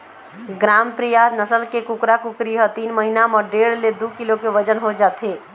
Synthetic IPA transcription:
ɡɾampɾijanəsəlkekukɾakukɾiɦət̪inməɦinaməɖeɽled̪ukilokeʋəd͡ʒənɦod͡ʒat̪ʰe

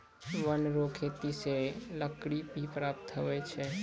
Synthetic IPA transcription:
ʋənɾoːkʰet̪iseləkɽibʱipɾaːp̚t̪ɦoʋet͡ʃʰe

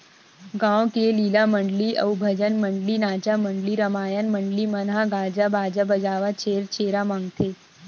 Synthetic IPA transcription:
ɡãːwkeliːlaməɳɖliʔɐ̰ubʱəd͡ʒənməɳɖlinaːt͡ʃaməɳɖliɾəmaːjənməɳɖlimənɦaɡaːd͡ʒabaːd͡ʒabəd͡ʒaːʋat͡ʃʰeːɾt͡ʃeːɾamãːŋɡt̪ʰe

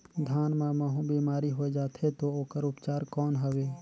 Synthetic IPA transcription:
d̪ʱaːnmaməɦũbiːmaːɾiɦoed͡ʒaːt̪ʰet̪ooːkəɾʊpt͡ʃaːɾkɔːnɦəʋeː

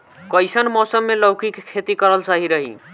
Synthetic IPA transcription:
kəjsənmɔsəmːeləwkikʰːet̪ikəɾəlt͡ʃaɦiɾəɦḭ

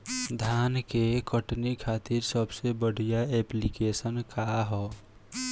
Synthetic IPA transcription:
d̪ʱjaːnkekəʈnikʰaːt̪iɾsəbsebəɽ̤ijaeplikesənkaɦɔː

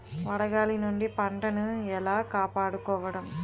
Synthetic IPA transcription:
ʋɐɽɐɡaːlinuɳɖipɐɳʈɐnuɛlaːkaːpaːɽukɔːʋɐɽɐm

